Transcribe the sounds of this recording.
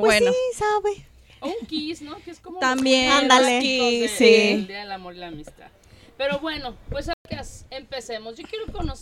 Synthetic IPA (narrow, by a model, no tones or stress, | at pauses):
bwenosaβe | uŋkisnokeeskomot̪ambjeand̪aleisiiaðelamoɾilamist̪a̰ð | pe̞ɾoβwe̞nopwesakesempesemosʝo̞kjeɾokonos